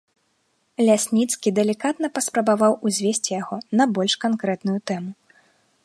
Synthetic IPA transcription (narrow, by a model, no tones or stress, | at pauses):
lʲasʲnʲit̪skʲid̪ɐlʲikat̪nɐpɐspɾɐbavawuzʲvʲesʲt͡sʲijaɣɔnɐbɔlʲʂkankɾɛt̪nujut̪ɛmu